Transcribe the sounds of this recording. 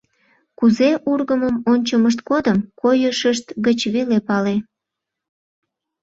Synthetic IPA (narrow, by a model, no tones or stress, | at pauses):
kuzeʔurɣəməmonʲt͡ɕəməʃ̬t̪̚kod̪əmkojəʃəʃt̪ɡət͡ɕβelepɑle